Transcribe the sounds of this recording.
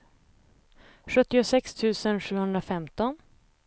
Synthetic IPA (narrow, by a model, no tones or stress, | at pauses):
ɧɵt̪ːɪʊsɛkst̪ʰʉ̟ːsənɧʉ̟ːhɵnd̪ɾafɛmt̪ɔn